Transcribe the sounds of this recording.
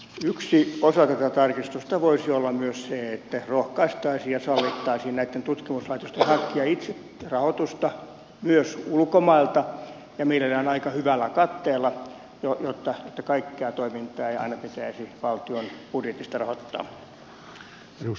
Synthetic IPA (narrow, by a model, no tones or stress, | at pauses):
yksiosɑt̪æt̪æt̪ɑrkist̪ust̪ɑʋoisiolːɑmyøsseet̪ːærohkɑist̪ɑisiːjɑsɑlːit̪ːɑisiːnnæit̪ːent̪ut̪kimuslɑit̪ost̪enhɑkːiɑit̪se | rɑhot̪ust̪ɑ | myøsulkomɑilt̪ɑ | jɑmeilælæːnɑikɑhyʋælːˑækɑt̪ːeːlːɑ | jojot̪ːɑjet̪ːækɑikːeɑːt̪oimint̪ˑɑːeiɑ̰inɑpit̪æisiʋɑlt̪ionpudjet̪ist̪ɑrɑhot̪ːɑ̰ː | u